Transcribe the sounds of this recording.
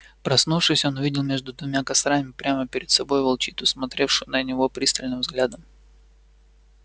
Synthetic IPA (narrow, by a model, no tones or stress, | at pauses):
pɾɐsnufʂɨsʲo̞nʊvʲidʲɪlˠmʲeʐd̪ʊd̪vʊmʲakɐsɾamʲɪpɾʲaməpʲɪɾʲɪt̪sɐbo̞jvɐlˠt͡ɕit̪ʊsmɐt̪ɾʲe̞fʂʊjnənʲɪvo̞pɾʲist̪əlʲnɨmvzɡlʲad̪əm